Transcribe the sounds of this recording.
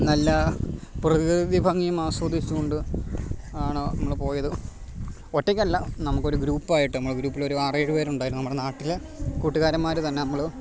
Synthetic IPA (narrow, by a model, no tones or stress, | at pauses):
nɐlːɐprɐðiðibʱɐŋːijumaːswoːd̪ʱit͡ɕːukoɳɖɨ | aːɳɨnɐmːɐɭpo̞ːjɐðɨ | oʈːekʲːmɐlːɐnɐmukːo̞ɾuɡɾuːpːaːjiʈːɨnɐmːɐɭɡɾuːpːilo̞ɾuaːreːɻupe̞ːɾuɳɖaːjɾununɐmːuɽenaːʈːil | kuːʈːuɣaːɾɐmːaːɾut̪ɐnːeɐmːɐɭ